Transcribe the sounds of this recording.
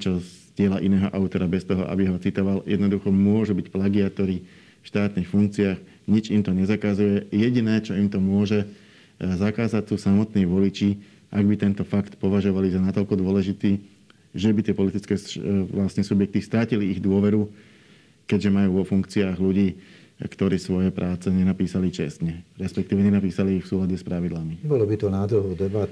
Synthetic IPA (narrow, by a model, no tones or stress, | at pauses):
t͡ʃɔzɟɪɛlaʔinɛːɦɔ̰ʔaʊt̪ɔɾabɛst̪ɔɦɔ̰ʔa̰biɦɔt͡sit̪ɔʋaljɛ̰d̪nɔd̪uxɔmʊɔʒubicplaɡiat̪ɔɾi | fʃt̪aːt̪nixfuŋk̚t͡siaːɣ | ɲid͡ʒimt̪ɔɲɛzakazujɛjɛɟinɛːt͡ʃɔimt̪ɔmʊɔʒɛ | zakaːzact͡suːsamɔt̪niːʋɔlit͡ʃiː | ʔaɡbit̪ɛnt̪ɔfakt̪pɔʋaʒɔʋalizanat̪ɔʎkɔd̪ʊɔlɛʒit̪iː | ʒɛbit̪ɪɛpɔlit̪it͡skɛːlast̪ɲɛːsubjɛk̚t̪ist̪ɾaciliːɣd̪ʊɔʋɛɾu | kɛɟʒɛmajuːʋɔfuŋkt͡siaːɣluɟiː | kt̪ɔɾiːsʋɔjɛpɾʔaːt͡sɛɲɛnapiːsalit͡ʃɛ̰st̪ɲɛɾɛspɛk̚t̪iːʋɛɲɛnapiːsaliːxfsuːlaɟɛspɾaʋid̪lamibɔlɔbit̪ɔnaːd̪ɾuɦɔʊd̪ɛbat̪